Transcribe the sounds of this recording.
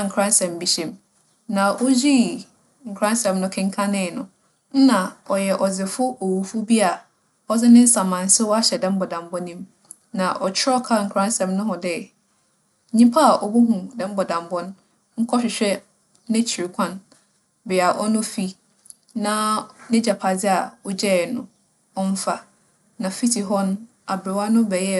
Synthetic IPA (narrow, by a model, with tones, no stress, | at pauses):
a˦˨ŋ̩˨kʰɾã˦nsɛ̃˨m˨bi˨ɕɛ̃˨m | nã˨ʔo˦d͡ʑi˦ | ŋ̩˨kʰɾã˦n˦sɛ̃˨mnʊ̃˦kʰɪ̃˦ŋ˦kʰã˦nɪ̃˦˨nʊ̃˨ | n̩˦nã˨ɔ˨jɛ˨ʔɔ˨d͡zɪ˨fʊ˦o˨wu˨fʊ˦bi˦a˨ | ɔ˦d͡zɪ˦nɪ̃˦n̩˦sã˨mã˨n˨˦sɪ˦wɔ˦a˦ɕɛ˨dɛ̃˦m˦bɔ˨dã˨m˨bɔ˦nĩ˦m | nã˨ʔɔ˨t͡ɕʰɪ˦ɔ˦kʰa˦ŋ̩˨kʰɾã˦n˦sɛ̃˨mnʊ̃˦ɦʊ̃˨dɛ˦ | ɲĩ˦pʰa˦a˨ʔɔ˨bu˦ɦũ˨dɛ̃˦m˦bɔ˨dã˨mbɔ˦n˦ | ŋ̩˦kʰɔ˦ɕᶣɪ˨ɕᶣɛ˦ | nɪ̃˦t͡ɕʰi˨ɾi˨kʷʰã˦n | bɪ˨a˨ʔɔ˦nʊ̃˦fi˦ | nã˦nɪ̃˦d͡ʑa˨pʰa˨d͡zɪ˦a˨ɔ˦d͡ʑɛ˦˨nʊ̃˦ | ɔ˦n̩˦fa˨ | nã˨fi˦tʰi˨ɦɔ˦ñ˦ | a˨bɾɪ˨wa˦nʊ̃˦bɛ˨jɛ˦